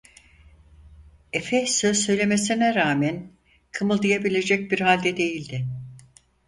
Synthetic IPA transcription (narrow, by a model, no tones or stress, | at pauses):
efɛsø̞zsø̞jlʲe̞me̞sinɛɾaːmæn | kʰɯmɯlˠd̪ɯjabilʲe̞d͡ʒɛc̚biɾhalʲd̪ɛd̪e̞jilʲd̪ɪ